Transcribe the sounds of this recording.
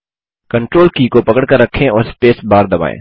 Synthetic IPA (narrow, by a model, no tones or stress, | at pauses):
kɐ̃ɳʈɾoːlkikopɐkəɽkəɾːɐkʰːẽɔːɾspeːsbaːɾd̪ɐba̰ːḛ̃ː